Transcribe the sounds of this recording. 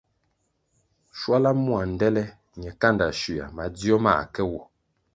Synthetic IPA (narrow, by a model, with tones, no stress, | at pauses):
ʃwa˦la˦mu˦a˨n̩˨dɛ˦lɛ˦ | ɲɛ˨ka˦nda˨ʃi˨a̰˨ma˨di˦ɔ˦ma̰˦˨kɛ˦wɔ˨